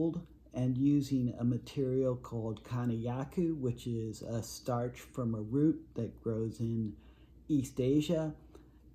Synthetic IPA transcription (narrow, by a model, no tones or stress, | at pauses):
lˠd | ɨ̃njʉzɪ̃ŋə̰mɨtʰɪɹil̩ˠkʰɔlˠd̚kʰɑñɨjækʰʉwɪt͡ʃɪzəstɑɹt͡ʃfɹʌ̃məɹʉt̪̚ðɨt̚ɡ̥ɹoʊzɪ̃n | isteɪʒɨ